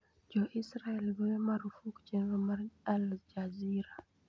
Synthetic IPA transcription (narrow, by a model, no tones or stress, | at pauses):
d͡ʒɔʔisɾaɛlbɛwɛmaɾufukt͡ʃɛnɾɔmaɾald͡ʒaziɾa